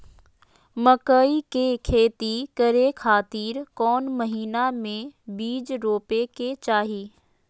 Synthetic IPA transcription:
məkəikekʰeːt̪ikəɾekʰaːt̪iːɾkɔːnmɐɦiːnamẽbiːd͡ʒɾoːpeket͡ʃaːɦiː

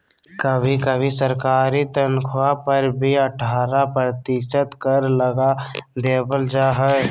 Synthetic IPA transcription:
kəbʱikəbʱisəɾkaːɾit̪ənkʰwapəɾbʱiəʈʰaːɾapɾət̪iʃət̪kəɾləɡad̪eːbəld͡ʒaːɦə

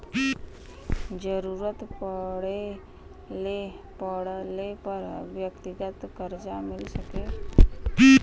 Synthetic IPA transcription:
d͡ʒəɾuːɾət̪pəɽe | le | pəɽlepəɾʋjəkt̪ɪɡət̪kəɾd͡ʒamɪlsəke

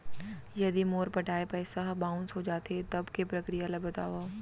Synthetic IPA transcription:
jɐd̪imoːɾpɐʈʰaːepɛːsaɦbãːʊ̃nsɦod͡ʒaːt̪et̪ɐbkepɾɐkɾijalabɐt̪aːʋaː

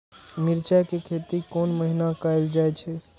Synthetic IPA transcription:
miɾt͡ʃakekʰet̪ikonməɦinakajld͡ʒajt͡ʃʰɛ

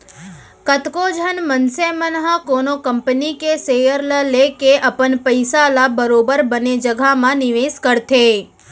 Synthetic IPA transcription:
kət̪kod͡ʒʱənmənsemənɦãkonokəmpnikesejəɾləlekeʔəpənpəjsalabəɾobəɾbəned͡ʒəɡʱamãnɪʋeskəɾt̪ʰe

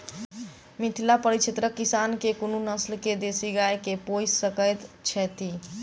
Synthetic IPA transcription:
mit̪ʰilapəɾit͡ʃʰet̪ɾəkːisankekonunəslked̪esiɡajkepojssəkəjt̪t͡ʃʰɛt̪i

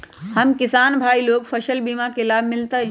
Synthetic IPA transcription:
hɐmkɪsaːnbʱaːiloːɡpʰɐʃəlbiːmakelaːbʱmɪlt̪aɦɛ̃

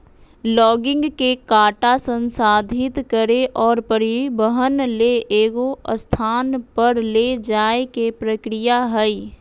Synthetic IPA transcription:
lɔːɡɪ̃ŋɡkekaːʈasə̃nsaːd̪ʱɪt̪kəɾeʔɔːɾpəɾɪbəɦənleʔeːɡoəst̪ʰaːnpəɾled͡ʒaːekepɾəkɾɪjaɦəi

